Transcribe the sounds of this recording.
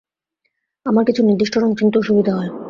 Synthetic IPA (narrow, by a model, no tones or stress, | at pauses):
amaɾkit͡ɕʰuniɾd̪iʃʈʰoɾomt͡ɕint̪oʃubid̪ʱaɦɔe